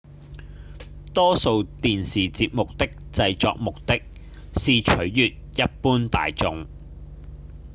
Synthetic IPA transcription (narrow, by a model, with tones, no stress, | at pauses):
t̪ɔː˥so˧wt̪iː˨nsiː˨t͡siː˧p̚mʊ˨k̚t̪ɪ˥k̚t͡sɐ˧jt͡sɔ̰ː˧k̚mʊ˨k̚t̪ɪ˥k̚ | siː˨t͡ʃʰɵ˨˥ɥjyː˨t̚jɐ˥t̚puː˥nt̪a̰ː˨jt͡sʊ˨˧ŋ